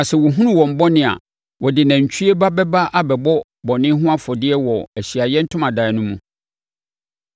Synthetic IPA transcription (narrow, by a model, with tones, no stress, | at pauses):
a˨sɛ˨wɔ˨ɦũ˦nũ˦wɔ̃˨m̩˨bɔ˦nɪ̃˨a̰˨ | wɔ˨dɪ˨nã˨ɲ̩˨t͡ɕʰᶣɥe˦ba˦bɛ˦ba˦ʔa˦bɛ˨bɔ˦ | bɔ˨nɪ̃˦ɦʊ̃˦a˦fɔ˨dɪ˦ɛ˦wɔ˨æ˨ɕi˨a˨jɛ˦n̩˦tʰʊ̃˦mã˨da˨˦nʊ̃˦mũ˦